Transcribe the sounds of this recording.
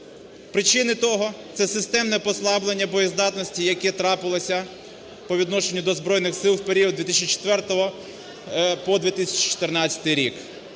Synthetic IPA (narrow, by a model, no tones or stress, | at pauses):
pɾɪt͡ʃɪnɪt̪ɔɦɔt̪sɛsɪst̪ɛmnɛpɔslˠɑblˠenʲːɐbɔjizd̪ɑt̪nɔsʲtʲijɐkɛt̪ɾɑpɪlˠɔsʲɐ | pɔʋʲid̪nɔʃenʲːʊd̪ɔzbɾɔjnɪxsɪlˠwpeɾʲiɔd̪ʲʋʲit̪isʲt͡ʃit͡ʃe̥t̪ʋɛrt̪ɔɦɔ | pɔd̪ʋʲit̪ɪsʲɐt͡ʃi̥t͡ʃɔ̥t̪ɪrnɑt͡sʲɐ̥t̪ɪjɾʲik